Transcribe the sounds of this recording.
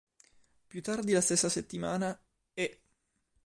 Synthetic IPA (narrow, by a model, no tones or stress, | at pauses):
pjut̪ːard̪ilast̪esːaset̪ːimaːna | ɛ